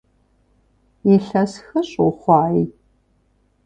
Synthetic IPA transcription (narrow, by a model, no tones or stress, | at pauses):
jɛɬɐsxɐɕʼoχʷɑːi